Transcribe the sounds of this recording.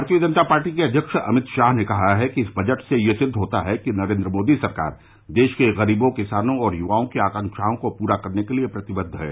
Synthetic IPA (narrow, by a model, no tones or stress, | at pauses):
aɾt̪ijəd͡ʒə̃nt̪apaːɾʈikeɐd̪ʱjəkʃɐ̰mɪt̪ʃaːɦnekɐɦaɦɛkiɪsbʱɐd͡ʒəʈsejesɪd̪ʱːɦoːt̪aɦɛkinɐɾẽːnd̪ɾəmoːd̪isɐɾka̰ːɾ | d̪eːʃkeɣɐɾiːbõkɪsaːnõɔːɾjʊʋaːõkiaːkə̃ŋkʃaːõkopuːɾakɐɾnekeliepɾɐt̪ɪbəd̪ʱɦɛ̰ː